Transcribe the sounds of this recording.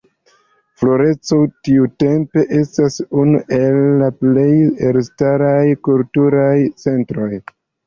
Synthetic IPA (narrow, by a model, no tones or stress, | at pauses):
flo̞ɾe̞t͡sotiute̞mpe̞ʔe̞stasunuʔe̞lːaple̞jeɾstaɾajkultuɾajt͡se̞ntɾo̞j